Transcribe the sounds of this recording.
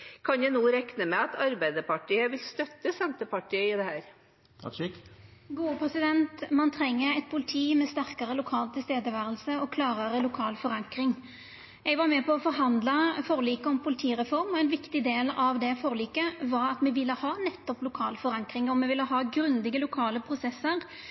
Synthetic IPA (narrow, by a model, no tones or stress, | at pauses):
kʰɑnjænuːɾɛknəmɛɑt̪ʰɑɾbæɪd̪əpɑʈʰiːəʋɪlst̪œt̪ːəsɛnt̪əpɑʈʰiːəɪd̪ɛhæːɾʰ | ɑ̰kɡuːəpʰɾɛsɪd̪ɛnt̪mɑnt̪ʰɾɛŋːəɛt̪̚pʰʊlɪt̪ʰiːmɛst̪æɾkɑɾəlʊkʰɑːlt̪ʰɪst̪eːd̪əʋæːɾəlsəɔkʰlɑːɾɑɾəlʊkʰɑːlfɔɾɑŋkɾɪŋ | ɛɡʋɑɾmɛpʰɔɔfɔɾɦɑnd̪lɑfɔːʁliːkəɔmpʰʊlɪt̪ʰiːʁɛfɔɾmɔɛnʋɪkt̪ɪd̪eːlɑʋd̪ɛfɔːʁliːkəʋɑɾɑt̪mɛʋɪlːəhɑːnɛt̪ːɔplʊkʰɑːlfɔɾɑŋkɾɪŋɔmːɛʋɪlːəɦɑːɡɾʉnd̪ɪɡəlʊkʰɑːləpʰɾʊsɛsːəɾ